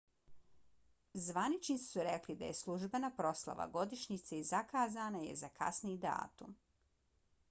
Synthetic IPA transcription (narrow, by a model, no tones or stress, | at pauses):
zʋanit͡ʃnit̪si̥suɾeklid̪a̰je̞slˠuʒbenapɾo̞slˠa̰ʋa̰ɡo̞d̪iʃɲit̪seizakaːzaːnaje̞̰zakʰa̰snid̪a̰ːt̪ṵm